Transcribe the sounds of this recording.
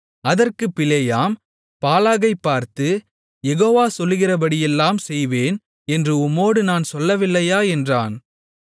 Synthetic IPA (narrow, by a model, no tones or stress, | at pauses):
ɐðɐrkɯpːɪlɐjaːm | paːlaːɣɐɪpːaːɾt̪ɯ | jɛɣoːʋaːsɔlːɯɣɪrɐbɐɽɪjɛlːaːmsɛjʋeːn | ɛndrɯʊmːoːɽɯnaːnsɔlːɐʋɪlːɐjaːɛndraːn